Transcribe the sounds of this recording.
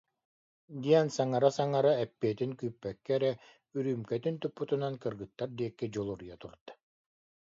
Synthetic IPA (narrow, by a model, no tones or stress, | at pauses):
d̪iɛnsaŋaɾasaŋaɾaɛpːiɛt̪inkyːpːɛkːɛɛɾɛ | yɾyːmkɛt̪int̪upːut̪unankɯɾɡɯt̪ːaɾd̪iɛkːid͡ʑɔlˠuɾjat̪uɾd̪̥ḁ